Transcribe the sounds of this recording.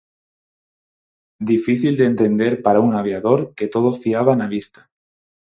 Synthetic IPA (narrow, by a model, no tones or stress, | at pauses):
d̪ifiθild̪ent̪e̞nd̪eɾpaɾauŋaβ̞jaðoɾket̪oð̞ofiaβ̞anaβist̪ḁ